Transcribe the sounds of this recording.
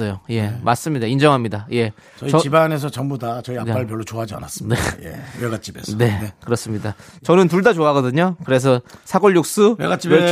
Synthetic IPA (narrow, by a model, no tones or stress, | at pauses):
ʌjoje̞mas͈ɯmɲidaind͡ʑʌŋɦamɲidaje̞ | t͡ɕʌiʌibane̞s̬ʰʌt͡ɕʌŋbudat͡ɕʌian͈aɭpjʌɭːot͡ɕoɦad͡ʑia̰nas͈ɯ̥nejḛweɡat͡ɕ͈ibḛsne̞kɯɾʌs͈ɯmɲidat͡ɕʌnɯnt̬uɭdad͡ʑoaɡʌdɯɲokɯɾes̬ʰʌsʰaɡʌɭːuk̚s͈uḛɡat͡ɕ͈i